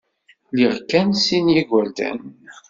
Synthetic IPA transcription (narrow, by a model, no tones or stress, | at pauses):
liʁkːænsinjiɡʷæld̪æ̰n